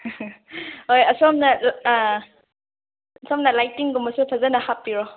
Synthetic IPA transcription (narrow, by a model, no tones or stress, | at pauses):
ɦojɐsɔmnal | sɔmnɐlajtiŋɡumɐsupʰazɐnɐhapːiɾɔ